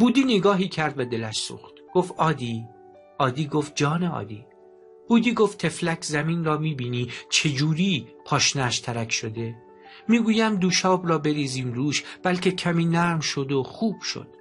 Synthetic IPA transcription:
b̥uːd̪iːneɡɒːɦiːcʰæɾd̪ved̪e̞læʃsṵːxt̪ɡ̥oft̪ɒːd̪iː | ʔɒːd̪iːɡoft̪̚d͡ʒɒːneɒ̰ːd̪iː | b̥uːd̪iːɡoft̪ʰe̞flæcʰzæmiːnrɒːmiːbiːniːt͡ʃʰe̞d͡ʒuːɾiːpʰɒːʃnæʃt̪ʰæɾækʰʃo̞d̪e̞ | miːɡuːjæmd̪uːʃɒːbɾɒːbe̞ɾiːziːmɾuːʃb̥ælcʰe̞cʰæmiːnæɾmʃo̞d̪oxuːb̥ʃo̰d̪̥

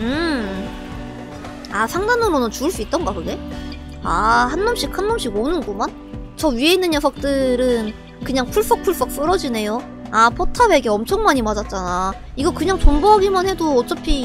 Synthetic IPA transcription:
ɯ | asʰaŋnanɯɾonɯnt͡ɕuɯɭs͈uit̚t͈ʌnɡakɯɡe̞ | ahanmʌmɕ͈ikhanmʌmɕ͈iɡonɯnɡuman | t͡ɕʌɥie̞inːɯnjʌsʰʌk̚t͈ɯɾɯn | kɯɲaŋpʰuɭs͈ʌk̚pʰuɭs͈ʌk̚s͈ɯɾʌd͡ʑine̞jo | apʰotʰawe̞ɡe̞ʌmt͡ɕʰʌŋmaɲimad͡ʑat̚t͡ɕ͈ana | iɡʌkɯɲaŋt͡ɕonboɦaɡimanhe̞doʌt͡ɕ͈ʌpʰi

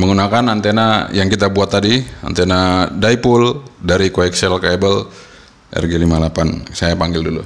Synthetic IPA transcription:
məŋunakanant̪enajaŋkit̪abuat̪ːadia̰nt̪ɛnadaipuldaɾikoɛksɛlkɛbəl | ʔɛ̰rɡɛlimalapansajapaŋɡɪldulṵ

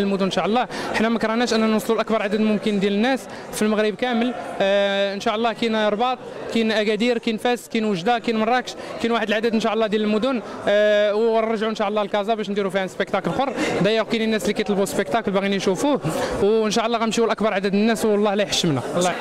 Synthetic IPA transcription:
əlmʊd̪ʊnːʃaʕʔlˤːɑʔəħnæmækɾˤɑnæʃʔənːænwusˤlulʔækbɑɾˤʕad̪əd̪mʊmkənd̪jælənːæs | filməɣɾəbkæməl | ənʃaʔəlˤːɑhkinɾˤbɑt̪ˤkinʔæɡæd̪iɾkinfæskinwəʒd̪akinmɑrˤːɑkʃkinwaħəd̪lʕad̪əd̪ənʃaʕʔəlˤːɑd̪jæləlmʊd̪ʊn | wˤɑʒʕuənʃaʔlˤːɑlkɑzɑbæʃnd̪iɾufihæspəkt̪ɑkəlxorˤːd̪æjəkkininːæslikæjt̪ˤlbuspəkt̪ɑkəlbæɣiniʃufuhwənʃɑʔəlˤːɑɣæmʃiwəlʔəkbɑɾˤʕad̪əd̪ənːæswlˤːɑhlæjħə̥ʃːəmnælːɑ

